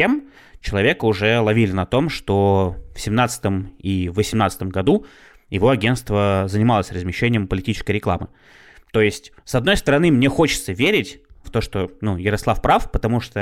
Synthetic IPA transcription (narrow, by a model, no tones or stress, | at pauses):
em | t͡ɕɪlˠɐvʲe̞kəʊʐɛlˠɐvʲilʲɪnɐt̪o̞mʂt̪ofsʲɪmnat̪sə̥t̪əmivːəsʲɪmnat̪sə̥t̪əmɡɐd̪u | jɪvo̞ɐɡʲe̞nt̪st̪vəzənʲɪmalˠəsʲrəzmʲɪɕːenʲɪjəmpəlʲɪtʲit͡ɕɪ̥skəjɾʲɪklˠa̰mɨ | t̪o̞jɪsʲtʲsɐd̪no̞jst̪əɾɐnɨmnʲe̞xo̞t͡ɕɪt̪səvʲeɾʲɪtʲft̪o̞ʂt̪o̞nujɪɾɐslˠafpɾafpət̪ɐmuʂt̪o